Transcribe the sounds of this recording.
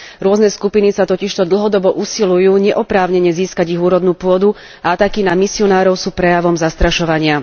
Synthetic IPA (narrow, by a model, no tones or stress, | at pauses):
ɾʊɔznɛskupinisat̪ɔciʃt̪ɔd̪l̩ˠɦɔd̪ɔbɔʔusilujuːɲɛʔɔpɾaːʊɲɛɲɛziːskaɟiɣuːɾɔd̪nuːpʊɔd̪u | aat̪akinamisiɔnaːɾɔʊsuːpɾɛjaʋɔmzast̪ɾaʃɔʋaɲɪa